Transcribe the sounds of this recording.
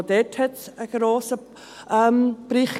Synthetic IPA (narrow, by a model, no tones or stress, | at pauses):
d̥̪ɛthɛtsəɡ̥ɾoːsə | ʔɛmb̥ɾɪχ